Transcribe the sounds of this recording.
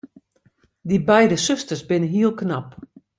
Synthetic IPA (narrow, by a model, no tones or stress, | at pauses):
dibɛjdəsøstəsbɪnəɦiəlˠknap